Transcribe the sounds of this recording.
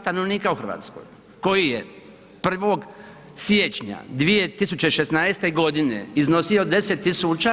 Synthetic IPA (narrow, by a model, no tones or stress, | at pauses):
st̪ano̞ʋniːkauxr̩ʋa̰ːt̪sko̰j | ko̞jije | pr̩ʋo̞ɡ | sjet͡ʃɲa̰d̪ʋije̞t̪isut͡ɕe̞iʃesnaest̪eɡo̞d̪inḛizno̞sijod̪e̞set̪ːisut͡ʃa